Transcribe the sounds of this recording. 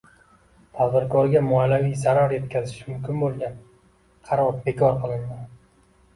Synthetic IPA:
t̪ʰad̪bɪɾkʰɒɾɡʲamʊalːavijzaɾaɾje̞t̪̚kʲʰazɪʃmʊmkʲɪnbolˠɡʲan | qʰɑɾɒɾbe̞kʲʰɒɾqʰɨlˠɪnd̪ɪ

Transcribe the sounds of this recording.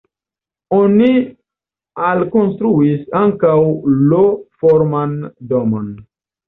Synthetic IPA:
oni | alkonstɾuisaŋkawlofoɾmandomon

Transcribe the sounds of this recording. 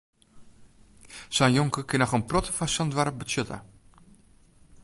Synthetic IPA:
sanjoŋkəkɪnɔxənprɔtə̥fasandʋaɾəp̚bəsøtʰa̰

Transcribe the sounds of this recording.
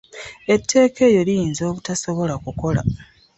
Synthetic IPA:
e̞tʰːe̞ːke̞ːjo̞lijiːnzo̞ːβutaso̞βo̞lakuko̞la̰

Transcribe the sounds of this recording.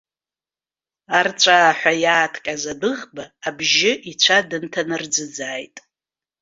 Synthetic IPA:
art͡sʷʼaːħʷajaːtʰkʲʼazadɨʁbaːbʒɪʔit͡ɕʷʰadɨntʰanɨrd͡zɨd͡zaːjtʼ

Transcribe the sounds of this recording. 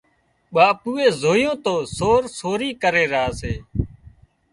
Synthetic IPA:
ɓaːpuːeːzoːjõːt̪oːsoːɾsoːɾiːkəɾeːɾəɦaːseː

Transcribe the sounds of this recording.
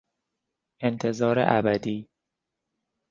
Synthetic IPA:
ent̪ʰe̞zɒːɾḛʔæbæd̪iː

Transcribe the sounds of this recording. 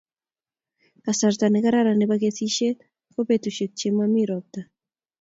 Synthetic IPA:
kasaɾt̪aneɣaɾaɾaneβaɡeθiʃet̪ | kopet̪uʃet̚t͡ʃemamiɾɔp̚t̪a

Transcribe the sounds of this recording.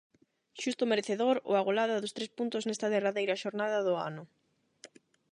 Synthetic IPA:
ʃust̪omeɾeθeðoɾo̰aɣ̞olaðɐðost̪ɾespunt̪ʊznest̪aðeraðejɾɐʃoɾnaðɐðʊa̰nʊ

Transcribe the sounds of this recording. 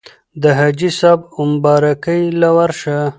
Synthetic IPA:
d̪əɦad͡ʒisabʊmbɑːɾakəjlawaɾʃa

